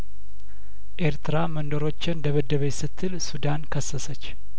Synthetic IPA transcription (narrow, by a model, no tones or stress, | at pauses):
ʔe̞ɾt̪ʰɨɾamənd̪əɾo̞t͡ʃːɪnd̪əβəd̪ːəβəjsɨt̪ʰːɨlsud̪ankʰəsːəsət͡ʃː